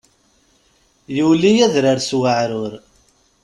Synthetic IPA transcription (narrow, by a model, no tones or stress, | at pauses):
julijæðɾəɾswəʕɾʊɾ